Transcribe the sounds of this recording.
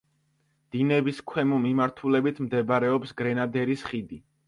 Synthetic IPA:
d̪̥inɛbiskʰwɛmumimaɾt̪ʰulɛbit̪ʰmd̪ɛbɾɛɔpsɡɾɛnad̪ɛɾisχid̪i

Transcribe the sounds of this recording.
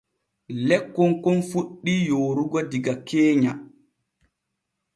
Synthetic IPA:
lɛkːɔŋkɔnfuɗːijoːɾuɡɔdiɡakeːɲa

